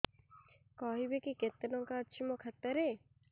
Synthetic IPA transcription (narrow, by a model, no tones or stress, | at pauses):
kɔɦibekiket̪ːenɔŋkad̪ʃʰimokʰat̪ːaɾe